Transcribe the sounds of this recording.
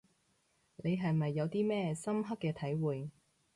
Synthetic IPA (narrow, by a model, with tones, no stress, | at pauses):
ne˨˧jɦɐ˨jmɐ˨jːɐ˨˧wt̪iː˥mɛː˥˧sɐ˥mɦɐ˥kːɛː˧t̪ʰɐ˨˥jwuː˨j